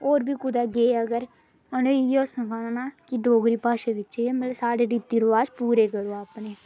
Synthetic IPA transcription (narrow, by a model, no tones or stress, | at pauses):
oːɾbʱiːkʊd̪aːɡeːəɡəɾ | əneɪjoːsə̃kanaːnaːkɪɖoːɡɾiːpaːʃeːʋɪt͡ʃːeemət̪ləsaːɽeːɾiːt̪iːɾoʋaːʃpuːɾeːkəɾoːaːpneː